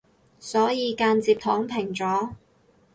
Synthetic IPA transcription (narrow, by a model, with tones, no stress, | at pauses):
sɔː˨˥jiː˨˧kaː˧nt͡siː˧p̚t̪ʰɔː˨˥ŋpʰɪ˨˩ŋt͡sɔː˨˥